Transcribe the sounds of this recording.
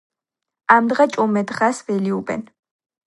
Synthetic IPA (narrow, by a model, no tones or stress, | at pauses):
amd̪ʁat͡ʃʼɔmɛd̪ʁasvɛliubɛ̰n